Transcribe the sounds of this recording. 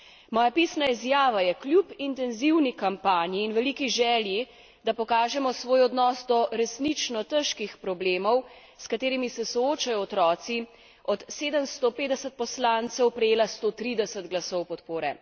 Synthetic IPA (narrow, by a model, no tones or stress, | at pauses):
mɔːjapisnaizjaːʋajɛklʲjupint̪ɛnziwnikampaːnjiːnʋɛliːkiʒɛːlji | d̪apɔkaːʒɛmɔsʋoːjɔd̪nɔsd̪ɔɾɛsnit͡ʃnɔt̪əʃkixpɾɔbleːmɔw | skat̪eːɾimisɛsɔoːt͡ʃajɔːt̪ɾɔːt̪si | ɔt̪seːd̪əmst̪opeːd̪ɛsət̪̚pɔslaːnt̪sɛwpɾɛjeːlast̪ot̪ɾiːd̪ɛsəd̪ɡlasɔwpɔt̪poːɾɛ